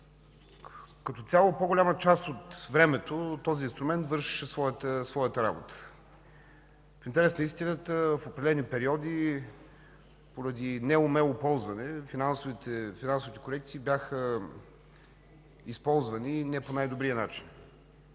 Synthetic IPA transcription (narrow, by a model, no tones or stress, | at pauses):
kɐt̪ɔt̪sʲalˠopoɡʊlʲamət͡ʃast̪ot̪vɾɛmɛt̪ot̪ɔziinst̪ɾʊmɛnt̪vɤɾʃi̥ʃɛsvɔjət̪əsvɔjət̪əɾa̰bo̰t̪ə̥ | fint̪ɛɾɛsnəist̪inət̪əfopɾɛd̪ɛlɛnipɛɾiɔd̪i | poɾəd̪inɛomɛlˠopɔlˠzvɐnɛfinansovit̪ɛfinansʊvit̪ɛ̥koɾɛk̚t̪siːbjaxə | ispɔlˠzvəninɛponajd̪obɾiənat͡ʃin